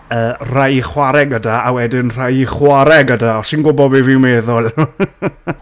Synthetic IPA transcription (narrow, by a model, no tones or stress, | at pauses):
əːr̥ajχwaɾɛɡədaawɛdɪnr̥ajiχwaɾɛɡədaɔsɪnɡʊbɔbɪvɪwmɛːðʊlˠ